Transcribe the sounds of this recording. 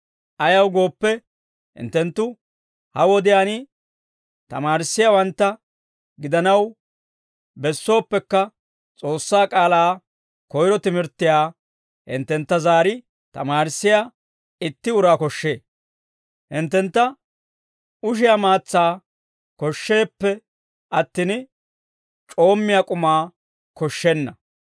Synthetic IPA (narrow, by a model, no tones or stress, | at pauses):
ʔɐjɐwɡo̞ːpːɛ | hɪ̰nt̪ːɛnt̪ːʊ | hɐwɔd̪ɪjaːnɪ | t̪ɐ̰maːɾɪsːɪjawɐnt̪ːɐ | ɡɪd̪ɐnɐw | bɛsːo̞ːpːɛkːɐ | t͡sʼo̞ːsːaːkʼaːlaː | kɔjɾɔt̪ɪmɪɾt̪ːɪjaː | hɪ̰nt̪ːɛnt̪ːɐzaːɾɪ | t̪ɐmaːɾsːɪja | ɪt̪ːɪʊɾaːkɔʃːe̞ː | hɪnt̪ːɛnt̪ːɐ | ʊʃ̬ɪjamaːt͡sːaː | kɔʃːe̞ːpːɛ | ʔɐt̪ːɪn | t͡ʃʼo̞ːmːɪjakʼʊmaː | kɔʃːɛnːɐ